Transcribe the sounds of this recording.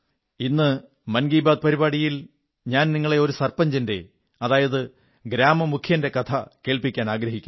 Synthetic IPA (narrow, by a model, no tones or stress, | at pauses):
inːɨ | mɐnɡiːbaːd̪̚pɐɾibaːɽijil | ɲaːnniŋːɐɭe̞o̞ɾusɐrpɐɲd͡ʑinde̞̰ | ɐðaːjɐðɨ | ɡɾaːmɐmukʰjɐnde̞kɐt̪ʰɐke̞ːɭpikʲːaːnaːɡɾɐɦikʲːum